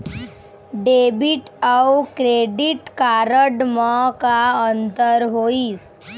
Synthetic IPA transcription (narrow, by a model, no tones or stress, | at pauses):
ɖebiʈawkɾeɖiʈkaɾəɖmɔkaənt̪əɾɦoiːs